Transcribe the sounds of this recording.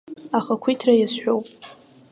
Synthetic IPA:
aχakʷʰitʰrajasħʷᶣowpʼ

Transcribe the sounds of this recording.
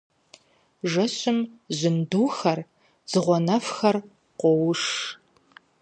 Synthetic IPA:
ʒɐɕɪmzɪnduːxɐr | z̥ɨʁʷɔnɐfxɐr | qʷɔwʂ

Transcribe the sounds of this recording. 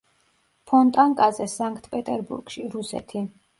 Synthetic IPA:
pʰɔnt̪ʼaŋkʼazɛsaŋkʰʼt̪ʰʼpʼɛt̪ʼɛɾbṵɾɡʃiɾusɛ̰t̪ʰi

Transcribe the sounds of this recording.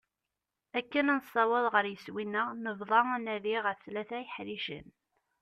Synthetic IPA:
ækːənænsˤːɑwəðˤʁəɾjəswinːəʁnəvðˤɑænæðiʁəfθlæθæjəħɾiʃə̰n

